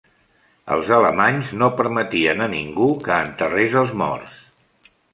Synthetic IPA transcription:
ə̰lˠzələmaɲznopəɾmət̪iənəniŋɡukəːnt̪ərezəlˠzmɔ̰rs

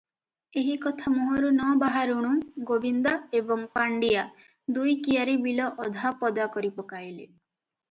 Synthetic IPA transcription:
eɦikɔt̪ʰamuɦɔɾunɔbaɦaɾuɽ̃ũɡobind̪aebɔŋpaɳɖija | d̪ujkiaɾibilɔʔɔd̪ʱapɔd̪akɔɾipɔkajle

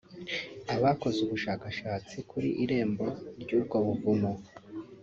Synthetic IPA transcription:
aβako̞zeuβuʃaːkaʃaːt͡sikuɾḭʔiɾe̞ːmbo̞ɾɟuːb̚ɡo̞βuvumo

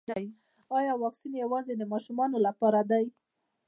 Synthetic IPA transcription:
ɑjɑwɑksinjawɑzed̪əmɑʃumɑnolapɑɾad̪aj

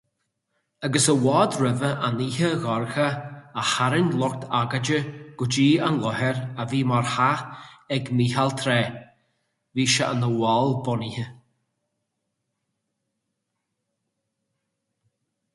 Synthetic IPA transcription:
aɡəsəwɔːd̪ɾəvəʔanihəɣɔɹxəːhaɾənlɔk̚t̪ʰaɡad͡ʒəɡ̥ʊd͡ʒiːanlɔɦɛɾaviːmaɹhaɛɡmihalt̪ʰɾɛː | viːʃa̰ʔə̰nəwɔlˠbɔnihə

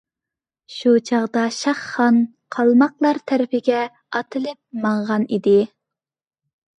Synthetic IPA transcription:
ʃut͡ʃʰɑʁd̪ɑʃɑχːɑn | qʰɑlˠmɑqlˠɑɾt̪ʰɛɾɪpɪɡʲɛ | ɑt̪ʰɨlɪp̚mɑɴʁɑnid̪ɪ

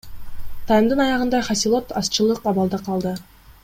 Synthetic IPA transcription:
t̪ʰɑjəmd̪ɯnɑjɑʁɯnd̪ɑχɑsʲilˠo̞t̪ɑst͡ʃɯlˠɯqɑβɑlˠd̪ɑqʰɑlˠd̪ə

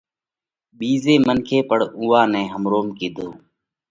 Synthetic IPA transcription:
ɓiːzeːmənkʰeːpəɽuːaːnɛ̃ːɦəmɾoːmkiːd̪ʱoː

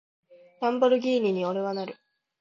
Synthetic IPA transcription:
ɾãmboɾɯ̟ɡʲiːɲʲiɲ̟io̞ɾe̞βanaɾɯ̟

